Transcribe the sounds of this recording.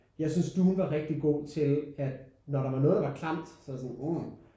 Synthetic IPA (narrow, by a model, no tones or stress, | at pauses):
jɑ̈ɪsynsd̥uːn̩ʋɑ̈ʁɛɡ̥̚d̥iɡ̥o̝̰ːt͡sʰe̝læd̥nɒɾɑ̈ʋɑ̈nɔ̽ːðdɑʋɑ̈kʰlɑm̰d̥sɒsɔnu